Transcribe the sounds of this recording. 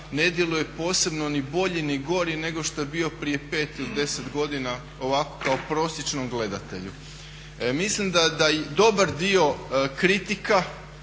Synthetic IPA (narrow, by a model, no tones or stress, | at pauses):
ne̞d̪je̞luje̞po̞ːse̞bno̞nibo̞ʎiniɡo̞ɾine̞ɡo̞ʃt̪ojebio̞pɾije̞pe̞ːt̪iod̪e̞sed̪ɡo̞d̪ina | o̞ʋako̥kaopɾo̞ːsjet͡ʃnomɡle̞d̪at̪e̞̰ʎu | mislimd̪ad̪ajd̪o̞baɾd̪io̞kɾit̪ika